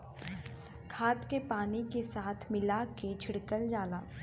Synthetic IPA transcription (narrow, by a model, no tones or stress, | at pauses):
kʰaːt̪kepaːnikesaːt̪ʰmɪlaket͡ʃʰɪɽkəld͡ʒaːlaː